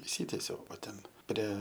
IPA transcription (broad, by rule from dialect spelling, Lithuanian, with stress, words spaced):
ɪʃʲˈsʲiːtʲiɛsʲɛʊ oː ˈtʲɛn ˈpʲrʲiɛ